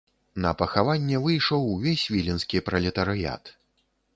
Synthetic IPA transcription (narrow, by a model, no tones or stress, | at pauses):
nɐ̰pɐxavanʲːɛvɨjʂɔwvʲesʲvʲilʲinskʲipɾɐlʲɛt̪ɐɾɨja̰t̪